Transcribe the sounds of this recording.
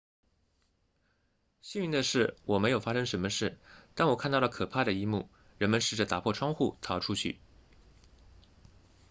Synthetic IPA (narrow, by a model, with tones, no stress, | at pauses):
ɕi˥ni˧˥ŋd̪ə˧ʂɻ̩˥˩wɔ˨˩me˧˥ɪjo˨˩ʊfa˥ʂɤ˥ŋʂə˧˥nmə˧ʂɻ̩˥˩t̪a˥˩nwɔ˨˩kʰnt̪ɑ˥˩lə˩kʰɤ˨˩pʰa˥˩d̪ə˩i˥mṵ˥˩ | ɻə˧˥nmə˧nʂɻ̩˨˩ʈ͡ʂə˨˩t̪a˨˩pʰwɔ˥˩ʈ͡ʂʰwɑ˥ŋxu˥˩t̪ʰɑ˧˥ʊʈ͡ʂʰu˥t͡ɕʰy̰˥˩